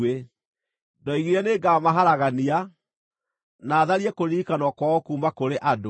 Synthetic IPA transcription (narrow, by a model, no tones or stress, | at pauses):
e | dɔiɣiɾɛneːɡaːmaɦaɾaɣania | naːðaɾiɛkoɾiːkanwɔkwaɣokuːmakoɾeʔado